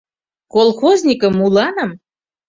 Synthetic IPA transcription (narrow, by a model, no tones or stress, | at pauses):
kolˠxozʲnʲikə̆mulɑnə̆m